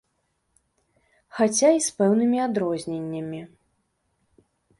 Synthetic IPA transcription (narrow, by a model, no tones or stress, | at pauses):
xat͡sʲaispɛwnɨmʲiad̪ɾɔzʲnʲenʲːɐmʲi